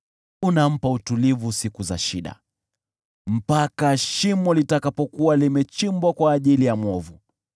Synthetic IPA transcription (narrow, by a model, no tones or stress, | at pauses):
unam̩pautulivusikuza̰ʃiɗa̰ | m̩pakaʃimɔlitakapɔkuwalimɛt͡ʃimbwakwaːʄilijamɔvu